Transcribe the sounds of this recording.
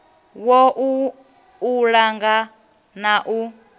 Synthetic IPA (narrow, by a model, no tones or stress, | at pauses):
wɔʔuː | ɺaŋɡa | naʔu